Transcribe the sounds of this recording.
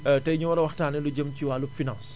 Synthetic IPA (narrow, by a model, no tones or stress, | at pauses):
tɐjɲuwɐɾɐwɐxtaːnɛluɟəmciwaːlupfinãns